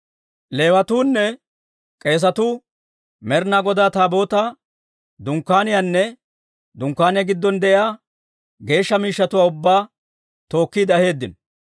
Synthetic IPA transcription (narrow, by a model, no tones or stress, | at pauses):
le̞ːwɐt̪uːnːɛ | kʼe̞ːs̬ɐt̪uː | mɛɾnaɡɔd̪aːt̪aːbo̞ːt̪a | d̪ʊŋkːaːnɪjanːɛ | d̪ʊŋkːaːnɪjɐɡɪd̪ːɔnd̪ɛʔɪaː | ɡe̞ːʃːɐmiːʃːɐt̪ʊwaːʊbːaː | t̪o̞ːkːiːd̪ɐhe̞ːd̪ːɪn